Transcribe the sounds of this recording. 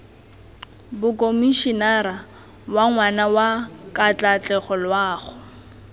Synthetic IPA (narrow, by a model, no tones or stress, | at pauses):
bʊkʼomiʃinaɾa | waŋwanawakʼat͡ɬʼat͡ɬʼɛχɔlwaːχʊ